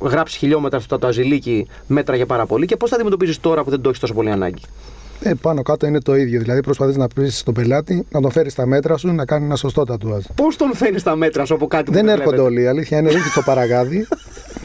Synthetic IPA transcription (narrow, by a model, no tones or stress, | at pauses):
ɣɾɐpsi̥çiʎo̞me̞t̪ɾɐst̪o̥t̪ɐt̪oɐzilici | me̞t̪ɾɐʝɐpɐɾɐpo̞lice̞po̞sθɐd̪imet̪opizist̪o̞ɾɐpuðe̞nd̪o̞çist̪o̞so̞poliɐnɐ̰ɲɟi | epɐno̞kɐt̪o̞ine̞t̪o̞iðʝo̞ðilɐðipɾo̞spɐθiznɐpisi̥st̪o̞pe̞lɐt̪inɐt̪oɱfe̞ɾist̪ɐme̞t̪ɾɐsunɐkɐnisenɐso̞st̪o̞t̪ɐt̪uɐspo̞st̪o̞nɱfenist̪ɐme̞t̪ɾɐsuɐpokɐt̪iðe̞ne̞ɾxod̪eoliːɐliθçɐineɾiçist̪opɐɾɐɣɐði